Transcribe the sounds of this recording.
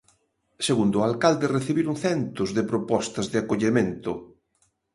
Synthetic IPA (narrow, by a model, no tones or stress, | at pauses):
seɣund̪ʊalkald̪ɪreθiβiɾuŋθɛnt̪ʊzðɪpɾopɔst̪ɐzðɪakoʎemẽnt̪ʊ